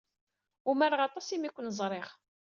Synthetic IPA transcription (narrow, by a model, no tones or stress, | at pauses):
umaɾəʁɑt̪ˤɑsimikʷːənəzˤɾˤeʁ